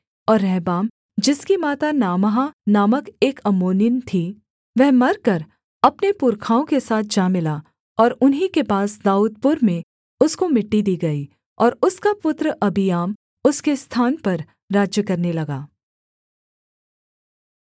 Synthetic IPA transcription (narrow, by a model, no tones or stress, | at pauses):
ɔːɾːɛɦbaːm | d͡ʒɪskimaːt̪anaːmɦanaːməkeːkɐmoːnɪnt̪ʰi | ʋɛɦmɐɾkɐɾ | ɐpnepʊɾkʰaːõkesaːt̪̚ʰd͡ʒaːmɪla | ɔːɾʊnɦikepaːsd̪aːuːd̪̚pʊɾmẽ | ʊskomɪʈːid̪iːɡɐi | ɔːɾʊskapʊt̪ɾəʔɐbijaːm | ʊskest̪ʰaːnpɐɾ | ɾaːd͡ʒjəkɐɾnelɐɡaː